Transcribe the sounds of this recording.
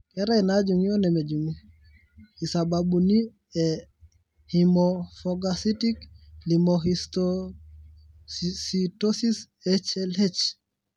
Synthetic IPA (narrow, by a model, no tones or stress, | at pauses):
kɛɾainad͡ʒuŋijonɛmed͡ʒumu | isabaɓuni | ɛ | himofoɡasitiklimoɦisto | sitosis | ɛt͡ʃɛlet͡ʃ